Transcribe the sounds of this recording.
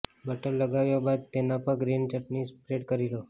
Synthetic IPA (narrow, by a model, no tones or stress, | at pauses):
bəʈəɾləɡaʋjobad̪̚t̪enapəɾɡɾint͡ʃəʈnispɾeʈkəɾilo